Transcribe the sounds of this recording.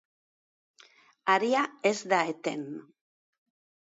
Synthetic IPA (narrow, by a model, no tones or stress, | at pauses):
aɾiaezd̪aet̪e̞̰m